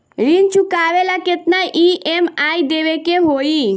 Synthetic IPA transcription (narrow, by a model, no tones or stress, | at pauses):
ɾint͡ʃukaːʋelaket̪naʔiʔemaid̪eʋekeɦoi